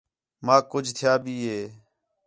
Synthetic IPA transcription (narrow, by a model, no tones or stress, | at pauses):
mãːkʊd͡ʒʱt̪ʰɪjaːbiːɦeː